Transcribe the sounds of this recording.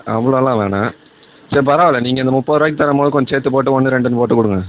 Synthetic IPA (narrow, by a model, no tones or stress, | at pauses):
ɐʋːɐɭoːɐlãːʋeːɳaː | sɐɾipɐɾaːʋɐlːɛniːŋɡɐɪnd̪ɐmʊpːɐːðɯɾoːɪk̬̚ːt̪ɐɾɐmpoːðɯkɔɲd͡ʒɐseːt̪ːɯpoːʈ̬ːɯɔnːɯɾɛɳɖɯnɯpoːʈːɯkʊɽɯŋɡɐ